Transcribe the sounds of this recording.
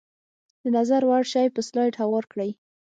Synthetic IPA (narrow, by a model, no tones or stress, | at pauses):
d̪̥ənazaɾwaɽʃɑjpəslɑjʈhawɑɾkɽəj